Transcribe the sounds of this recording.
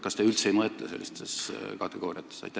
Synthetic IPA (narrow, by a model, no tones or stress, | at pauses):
kɑst̪eylt̪seejmɤet̪ːˑɑse̞̰lːist̪e̞skɑt̪ːˑe̞ɡo̞ːriɑt̪ːˑesɑ̰jt̪ʲːˑæ